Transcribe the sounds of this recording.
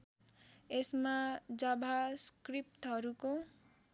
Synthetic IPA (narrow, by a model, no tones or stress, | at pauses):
esmad͡zʌbʱaskrip̚ʈɦʌɾuko